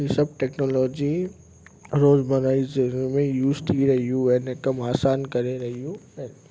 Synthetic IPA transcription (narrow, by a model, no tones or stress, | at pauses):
ĩsɐb̚ʈɛːknoːlɔːd͡ʒi | ɾoːzmɐnaːizeɾə̃mẽjuːzt̪ʰiɾɐɦijũɛ̃ːnekɐmaːsaːnkɐɾeɾɐɦijũɛ̃ːn